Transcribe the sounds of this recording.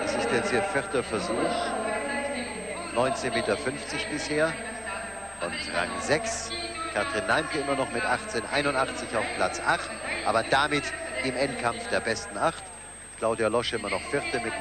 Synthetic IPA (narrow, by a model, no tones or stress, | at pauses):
ʔɛsɪstd̥ɛt͡sthiːɐfɪʁtɐfɛɐzuːx | nɔʏnt͡seːnmeːtɐfʏnft͡sɪçb̥ɪsheːɐ | ʔʊntʁa̰ŋzɛks | kʰatʁ̥inːaɪmkəɪmɐnɔχmɪtʔaχt͡seːnʔa̰ɪnʊntʔaχt͡sɪçaʊfpʰl̥at͡sʔaχtʔa̰ːbɐdamɪtɪmɛntkʰamfd̥eːɐbɛstn̩aχt | kl̥aʊdialɔʃɪmɐnɔχfɪʁtəmɪt